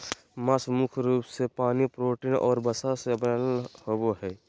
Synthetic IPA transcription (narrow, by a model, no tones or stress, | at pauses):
masmʊkʰɾuːpsepaːnipɾoːʈiːnʔɔ̰ːɾbəsasebhoboɦɛː